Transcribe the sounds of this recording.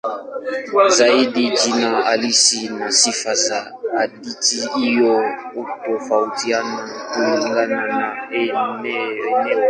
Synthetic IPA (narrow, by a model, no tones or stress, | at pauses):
zaidid͡ʒinãalisinãsifaza | aditiːjɔutofautianãtuiŋɡanãnãenɛnɛ